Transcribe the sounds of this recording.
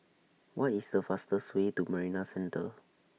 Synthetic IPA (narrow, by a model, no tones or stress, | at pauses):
wʔɔtisdəfastəswetuməɹinasɛ̃ntə